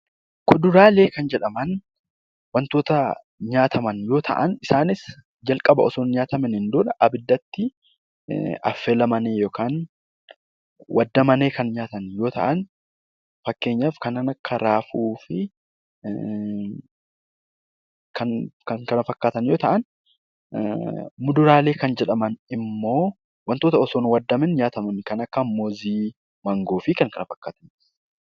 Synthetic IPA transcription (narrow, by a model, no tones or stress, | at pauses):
kʊd̪ʊɾaːle̞ːkɐnd͡ʒɛᶑɐmɐn | wɐnt̪o̞ːt̪ɐ | ɲaːt̪ʰɐmɐnjo̞ːt̪ʰɐ̰ʔɐnɪsaːnɪs | d͡ʒɐlkʼɐbɐɔsoːnɲaːt̪ɐmɛnɪnd̪ʊːᶑɐʔɐbɪd̪ːɐt̪ːɪ | ɐ̰fːeːlɐmɐneːjoːkaːn | wʔɐd̪ːɐmɐneːkɐnɲaːt̪ɐnjo̞ːt̪ɐ̰ʔɐn | fɐkːe̞ːɲːaːfkɐnanɐkːɐɾaːfuːfɪ | kʰɐnkɐŋkɐnɐfɐkːaːt̪ɐnjoːt̪ɐʔɐn | mʊd̪ʊɾaːle̞ːkɐnd͡ʒɛᶑɐmɐnɪmːo̞ː | wɐnt̪o̞ːt̪ɐɔsoːnwɐd̪ːɐmɪnɲaːt̪ɐmɐnkɐnɐkːɐmːoːziː | mɐŋɡoːfɪkɐŋkɐnɐfɐkːaːt̪ɐn